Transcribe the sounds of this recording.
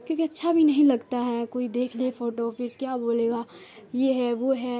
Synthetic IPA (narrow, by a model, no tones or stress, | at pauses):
kjõːkeɐtːʃʰabʱinɐɦĩlɐɡt̪aɦɛkoːid̪eːkʰlefoːʈofɪɾkjaːboːleːɡaːjeɦɛʋoɦɛ